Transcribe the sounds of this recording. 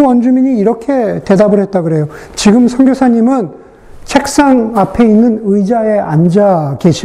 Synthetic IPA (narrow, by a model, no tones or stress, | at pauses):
ʌnd͡ʑumiɲiːɾʌkʰe̞te̞dabɯɭɦe̞t̚t͈aɡɯɾe̞jo | t͡ɕiɡɯmsʰʌŋɡjosʰaɲimɯn | t͡ɕʰe̞k̚s͈aŋapʰe̞inːɯnɯid͡ʑae̞ʔand͡ʑake̞ɕʰi